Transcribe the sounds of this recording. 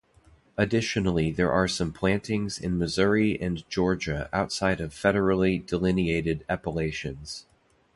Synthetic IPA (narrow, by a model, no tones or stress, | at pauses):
ɨdɪʃɨnl̩ˠiðə˞ʔə˞sʌ̃mpʰl̥æ̃ntʰɪ̃ŋzɪ̰̃nmɨzʊɹiʔɨ̃nd͡ʒɔɹd͡ʒɨʔaʊtsaɪɾʌv̥fɛɾə˞l̩ˠidəlɪnieɪɾɨɾæpəleɪʃɨ̃nz̥